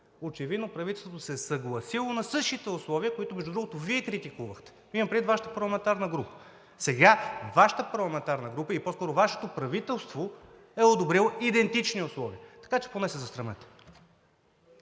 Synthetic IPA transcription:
ot͡ʃɛvid̪nopɾɐvit̪ɛlˠst̪vot̪osɛsɐɡlˠɐsilˠonɐsɤʃt̪it̪ɛʊslˠɔviəkoit̪oʊmɛʒd̪ud̪ɾuɡot̪oviɛkɾit̪ikuvəxt̪ɛ̥ | imɐmpɾɛd̪it̪vaʃə̥t̪ə̥pɐɾlˠɐmɛnt̪aɾnəɡɾupə̥ | sɛɡavaʃə̥t̪əpɐɾlˠɐmɛnt̪aɾnəɡɾupəiposkɔɾovaʃɛ̥t̪opɾɐvit̪ɛlˠst̪vo | ɛod̪obɾilˠoid̪ɛnt̪it͡ʃniʊslˠɔviət̪ɐ̥kat͡ʃɛ̥ponɛsɛzɐst̪ɾɐnɛt̪ɛ̥

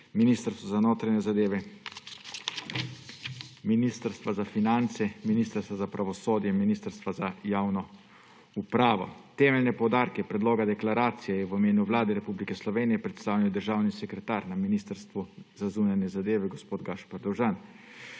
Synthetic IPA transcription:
miniːst̪əɾst̪ʋɔzanoːt̪ɾanɛzad̪eːʋɛ | minist̪əɾst̪ʋazafinant̪sɛminist̪əɾst̪ʋazapɾʔaʋɔsoːd̪jɛminiːst̪əɾst̪ʋazajaːwnɔ | upɾaːʋɔ̰t̪ɛːmɛlnɛpɔwd̪aːɾkɛpɾɛd̪loːɡad̪ɛklaɾaːt̪sijɛjɛʋimeːnuʋlaːd̪ɛɾɛpublikɛslɔʋeːnijɛpɾɛt̪st̪aːwliwd̪əɾʒaːwnisɛkɾɛt̪aːɾnaminist̪əɾst̪ʋuzazuːnanjɛzad̪eːʋɛɡɔspoːd̪ɡaʃpaɾd̪ɔwʒan

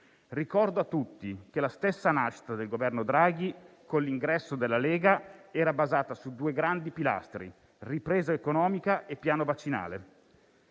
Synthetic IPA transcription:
rikɔrd̪oat̪ːut̪ːik̟elast̪esːanaʃːi̥t̪ad̪elɡovɛrnod̪ɾaːɡ̟ikonlːiŋɡɾɛsːod̪elːaleːɡaɛːɾabazaːt̪asud̪uːeɡɾand̪ipila̰st̪ɾḭ | ripɾeːzaekonɔːmikaʔepːjaːnovat͡ʃːina̰ːlḛ

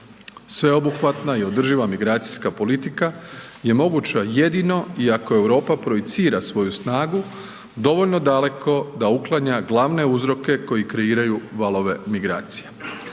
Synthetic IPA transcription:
sʋe̞o̞buxʋat̪naio̞d̪r̩ʒiʋamiɡɾaːt̪si̥skapo̞lit̪ikaje̞mo̞ɡut͡ɕaje̞d̪ino̞iako̞e̞wɾo̞ːpapɾo̞it̪siːɾasʋo̞jusnaːɡu | d̪o̞ʋo̞ʎno̞d̪ale̞ko̞d̪auklˠaɲaɡlˠaʋne̞uzɾo̞ke̞ko̞jikɾe̞iːɾajuʋalˠo̞ʋe̞miɡɾa̰ːt̪si̥je

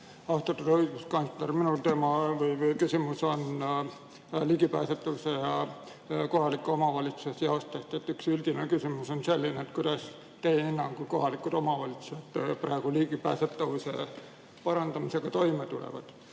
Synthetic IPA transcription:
ɑst̪ɑt̪ːud̪hoiɡuskɑnslerminult̪e̞ːmɑvɯjvɯjkysʲimuso̞n | liːɡipæːset̪ːˑɑvuse̞jɑ | ko̞ɦɑlikːˑuo̞mɑvɑlʲit̪su̥sesjɑost̪est̪et̪ːˑyksyld̪̥inekysʲimuso̞nse̞lʲːineːt̪kujd̪̥ɑs | t̪e̞jeenːɑmkujko̞ɦɑlikˑud̪o̞mɑvɑlʲit̪su̥sed̪̥prɑ̰eɡ̥uliːɡipæ̰ːset̪ːˑɑvuse̞̰ | pɑɾɑnd̪ɑmise̞ɡ̥ɑt̪o̞jmet̪ulḛvɑ̰d̪̥

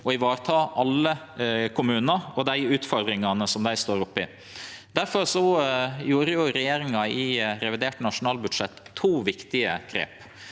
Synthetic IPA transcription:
ɔɪʋɑːɾt̪ʰɑːʔɑlːə | kʰʊmʉːnəɔd̪æɪʉːt̪fɔɾd̪ɾɪŋɑnəsɔmd̪æɪst̪oːɾʊpːɪ | d̪̥æɾfɔɾsɔjuːɾəjʊɾɛjeːɾɪŋɑɪɾɛʋɪd̪eːʈənɑʂʊnɑːlbʉd̪ʂɛt̪ʰːuːʋɪkt̪ɪəɡ̥ɾḛːp

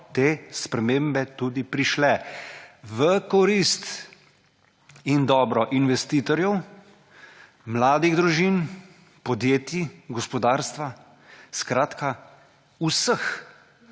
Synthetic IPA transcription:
t̪eːspɾɛmẽːmbɛt̪ud̪ipɾiʃlɛ | ʋəkɔɾist̪ | ind̪ɔːbɾɔʔinʋɛst̪iːt̪ɔɾjɛw | mlaːd̪iɣd̪ɾuʒin | pɔd̪jeːt̪iɡɔspɔd̪aːɾst̪ʋa | skɾaːt̪ka | usəx

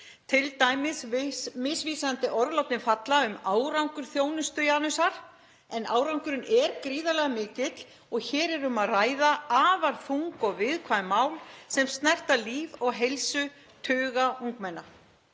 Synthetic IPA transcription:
t̪ʰɪlt̪aːjmɪsmɪsviːsant̪ɪʔɔɾðlawt̪nɪnfat̪laʏmaːwɾawŋkʏɾ̥θjoːwnʏst̪ʏjaːnʏsaɾ̥ | ɛnaːwɾawŋkʏɾʏnɛɾkɾiːðalɛɣamɪːcɪt̪l̥ | ɔɣçɛːɾɛɾʏmaðraːjðaaːvaɾ̥fuŋkɔɣvɪðkʰvajmaːwlsɛmst̪nɛr̥t̪aliːvɔɣɦejlsʏ | t̪ʰʏːɣauŋkmɛnːa

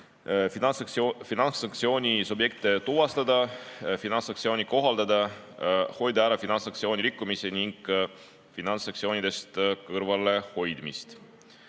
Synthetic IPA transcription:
finɑnsɑk̚t̪sio̞ːnʲisubje̞k̚t̪et̪uvɑst̪ɑd̪ɑfinɑnsɑkt̪sio̞ːnʲiko̞ɦɑld̪ɑd̪ɑ | ho̞jd̪æɾɑfinɑnsɑkt̪sio̞ːnʲiɾikːˑumiseniŋɡ̥ | finɑnsːɑkt̪sio̞ːnʲid̪̥e̞st̪kɤɾvɑle̞ho̞jd̪̥mist̪

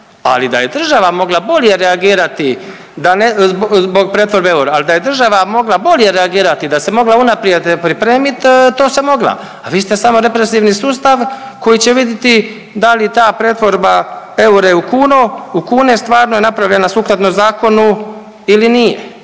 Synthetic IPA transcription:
a̰lid̪a̰je̞d̪r̩ʒaʋamo̞ɡlˠabo̞ʎje̞ɾeaɡiːɾat̪i | d̪anebzbo̞ɡ̚pɾeːt̪ʋo̞ɾbeeuɾealid̪aje̞d̪r̩ʒaʋamo̞ɡlˠabo̞ʎje̞ɾeaɡiːɾat̪id̪ase̞mo̞ɡlaunapɾjed̪pɾipɾe̞ːmit̪t̪ːo̞ːse̞mo̞ɡlˠa̰ | aʋiːst̪e̞samo̞ɾe̞pɾe̞siʋnisuːst̪aʋ | ko̞jit͡ɕe̞ʋid̪jet̪i | d̪alit̪aːpɾeːt̪ʋo̞ɾbaeuɾeukuːnoukuːne̞st̪ʋaːɾnoje̞napɾavʎe̞nasuːkɾat̪nomzaːko̞nu | ilinijḛ

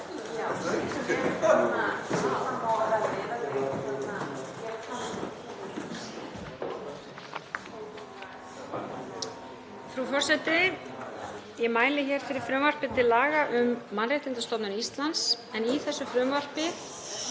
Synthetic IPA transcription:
aaaaɛ | fɾufɔrsɛt̪ɪ | jɛmaːjlɪçɛːɾ̥fɪɾɪɾ̥fɾʏmvar̥pɪt̪ʰɪlːaːɣaʔʏmːanrejht̪ɪnt̪ast̪ɔp̪nʏnist̪lans | ɛniθɛsːʏfɾʏmvar̥pɪ

